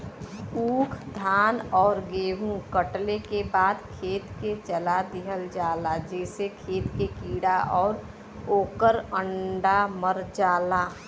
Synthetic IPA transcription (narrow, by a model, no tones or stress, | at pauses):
uːkʰd̪ʱaːnɔːɾɡeːɦũkəʈlekebaːd̪kʰeːt̪ket͡ʃəlad̪ɪɦəld͡ʒaːlad͡ʒɛːsekʰeːt̪kekiːɽaʔɔːɾ | oːkəɾəɳɖaməɾd͡ʒaːla